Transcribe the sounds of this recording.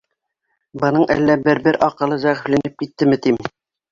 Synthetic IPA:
bɤ̆nɤɴʔæ̰lːæbɘɾbɘɾʔɒqɤ̆lˠɤzæʁɘ̆flænɘp̚kit̪ːɘmɘt̪im

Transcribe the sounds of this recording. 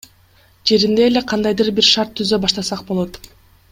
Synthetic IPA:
d͡ʒe̞ɾind̪e̞ːle̞qʰɑnd̪ɑjd̪ɯɾbiɾʃɑɾt̪ʰːyzø̞bɑʃt̪ɑsɑqbo̞lˠo̞t̪

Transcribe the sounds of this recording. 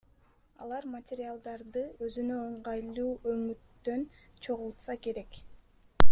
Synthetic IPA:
ɑlˠɑɾmɐtʲeɾʲɪalˠd̪ɑɾd̪ɯø̞zynø̞oɴʁɑjlˠuːʔømyt̪ːønt͡ʃʰo̞ʁulˠt̪sɑke̞ɾe̞k

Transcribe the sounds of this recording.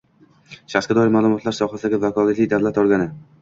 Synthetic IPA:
ʃaχsɡad̪ɒjɪɾmaːlˠʊmɒt̪laɾsɒχasɪd̪aɡʲɪvakʰɒlˠat̪lɪjd̪awlat̪ɒlˠɡʲanɪ

